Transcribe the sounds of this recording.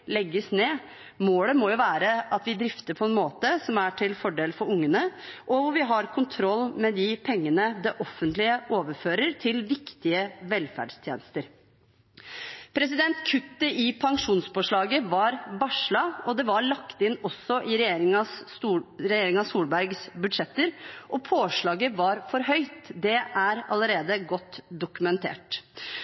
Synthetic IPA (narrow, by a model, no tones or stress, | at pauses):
lɛɡːəsneː | moːləmɔjʊʋæːɾəʔɑt̪ʋɪd̪ɾɪft̪əɾpʰɔɛnmoːt̪əsɔmæʈʰɪlfɔɖeːlfɔɾʊŋːənəʔɔʋʊɾʋɪɦɑɾkʰʊnt̪ʰɾɔlːmɛd̪ɪpʰɛŋːənəd̪ɛʔɔfːənt̪lɪəoːʋəɾføːɾəɾt̪ʰɪlʋɪkt̪ɪəʋɛlfæ̰ɖst̪ʰjḛːnəst̪əɾ | pʰɾɛsɪd̪ɛnt̪kʰʉt̪ːəʔɪpʰɑŋʂuːnsfoːʂɭɑːɡəʋɑɾbɑʂɭɑɔd̪ɛʋɑɭɑkt̪ɪnːɔsːɔʔɪɾɛjeːɾɪŋɑs | ɾɛjeːɾɪŋɑsuːlbæɾɡsbʉd̪ʂɛt̪ːəɾʔɔpʰoːʂɭɑːɡəʋɑɾfɔɾɦœʏt̪d̪ɛʔæɾɑləɾeːd̪əɡɔt̪ːd̪ʊkʉmɛnt̪ʰḛːʈ